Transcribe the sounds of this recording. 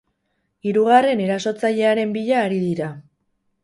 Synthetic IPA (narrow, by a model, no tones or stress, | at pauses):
iɾuɣare̞ne̞ɾaso̞t͡saʎe̞aɾe̞mbiʎaːɾiðiɾa